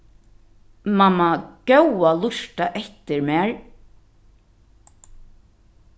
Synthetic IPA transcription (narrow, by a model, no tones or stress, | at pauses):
mamːaɡ̥owalʊʃt̪aʔɛht̪ɪɹmɛaːɹ